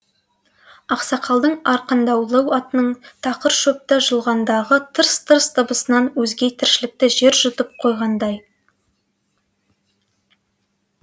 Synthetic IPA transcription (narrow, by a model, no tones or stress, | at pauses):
ɑqsɑqʰɑlˠd̪əɴɑɾqənd̪ɑwlˠəwɑt̪ənəɴt̪ʰɑqəɾʃɵp̚t̪əʒəlˠʁɑnd̪ɑʁət̪ʰəɾst̪ʰəɾst̪ʰəbəsənɑnwɵzɡʲe̞t̪ʰɪɾʃɪlɪk̚t̪ɪʒe̞ɾʒʊt̪əp̚qʰo̞jʁɑnd̪ɑj